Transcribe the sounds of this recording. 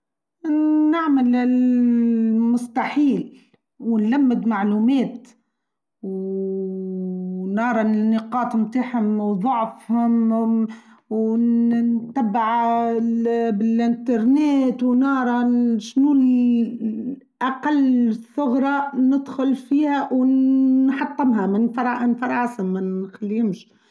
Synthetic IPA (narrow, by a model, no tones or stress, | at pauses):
nɪʕmɪl | mʊst̪ɑħiːl | wnlamːɪd̪maʕluːmeːt̪ | w | nɑːɾˤɑnɪqɑːt̪ˤmt̪aːħhʊmwðˤʊʕfhʊm | wnt̪ːæbːaʕ | bɪlʔɪnt̪ɑɾˤneːt̪wnɑːɾˤɑʃnu | ʔaqalːsˤːʊɣɾˤɑnɪd̪xʊlfiːhæw | ħɑt̪ˤːɑmɦamɪnfɑɾˤɑʔnfɑɾˤɑːsamːɪnxalːiɪmʃi